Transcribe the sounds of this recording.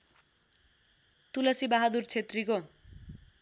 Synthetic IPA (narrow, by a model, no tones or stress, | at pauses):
t̪ulʌsibaɦad̪urt͡sʰet̪riko